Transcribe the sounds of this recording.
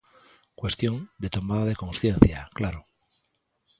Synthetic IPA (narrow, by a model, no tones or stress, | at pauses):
kwe̞st̪jo̞nd̪e̞t̪o̞maðaðe̞ko̞nsθje̞n̟θjaklaɾo